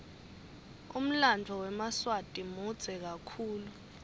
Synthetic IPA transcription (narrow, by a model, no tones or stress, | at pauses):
um̩land͡vʱɔwɛmaswatʼimud̥z̥ʱɛk̬akʰuːlu